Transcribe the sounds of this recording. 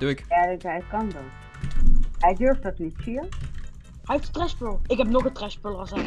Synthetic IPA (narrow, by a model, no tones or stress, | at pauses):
d̥uɪkjaːɦɛjkɑndɑn | ɦɛjdøɹftdɑtnitsi | ɦɛjeftətrɛspølˠɪkɦɛpnɔχətrɛspølˠɑsɛ